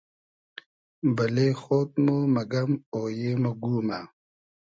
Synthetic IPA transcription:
bɐleːxoːt̪̚momɐɡɐmoːjeːmɐɡuːma

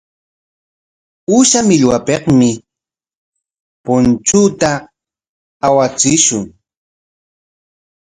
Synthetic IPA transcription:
uʃamɪʎwapeχmɪ | pʊnt͡ʃut̪a | wat͡sɪʃʊŋ

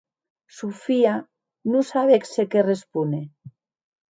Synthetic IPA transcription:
sufia | nusaβeksekerespune

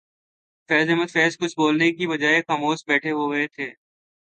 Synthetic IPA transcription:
fɛːzɪɦmət̪fɛːskʊt͡ʃʰboːlnekibɐd͡ʒaːexaːmoːsbɛːʈʰeɦoɡɐet̪ʰeː

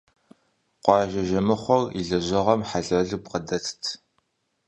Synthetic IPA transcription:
qʷɑːʒɐʒɐmɨχʷɔriɮɐʑɪʁɐmħaɮɐɮɨpqədɐtʰtʰ

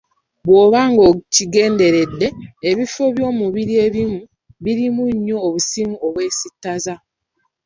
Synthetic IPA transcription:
βwo̞ːβaːŋɡociɡe̞ːnde̞ɾe̞dːe̞ːβifo̞βjo̞ːmuβiɾie̞βimu | βiɾimuɲːo̞ːβusimuoβwe̞ːsitːaza

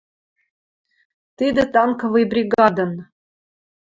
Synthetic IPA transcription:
t̪ɨd̪ə̆t̪ɑŋkə̆vɤjbɾʲiɡɑd̪ən

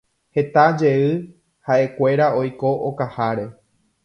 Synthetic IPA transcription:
he̞t̪ad͡ʒe̞ɨ | haʔe̞kʷe̞ɾao̞jko̞ʔokahaɾe̞

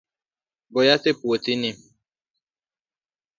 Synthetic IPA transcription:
bɔjatepuotini

